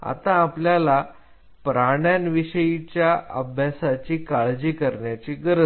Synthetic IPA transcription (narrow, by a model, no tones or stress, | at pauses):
a̰t̪aːpljala | pɾaɽ̃janʋiɕəjit͡ɕjaə̰bʱjasat͡ɕiːkaɭd͡ʑiːkəɾɳjat͡ɕiɡəɾə